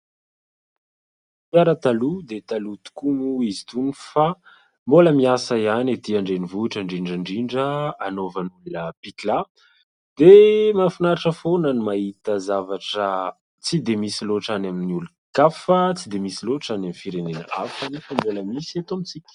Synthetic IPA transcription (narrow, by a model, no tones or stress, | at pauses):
pjaɾət̪alud̪et̪alut̪u̥kumuizit̪unifa | mboləmiasəianat̪iaɳɖ͡ʐenivuʈ͡ʂəɳɖ͡ʐiɳɖ͡ʐəɳɖ͡ʐiɳɖ͡ʐəanovənulunəpik̪la | d̪̥emafinaɾaʈ͡ʂəfonənimaɦit̪əzavaʈ͡ʂə | t͡sid̪emisiloʈ͡ʂanaminiulu | kafət͡sid̪emisiloʈ͡ʂanamifiɾenenə̰afanifəmboləmisiat̪omit͡sikʲ